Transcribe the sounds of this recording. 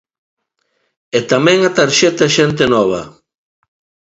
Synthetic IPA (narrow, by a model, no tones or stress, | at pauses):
et̪amɛ̃ŋat̪aɾʃɛt̪aʃent̪enɔβ̞ɐ̰